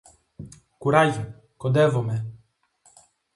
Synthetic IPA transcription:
kuɾaji | kɔd̪ɛvɔmɛ

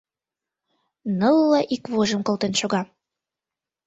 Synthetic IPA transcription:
nɤlːɑʔikβoʒə̆mkɤ̆lt̪enʃoɣɑ

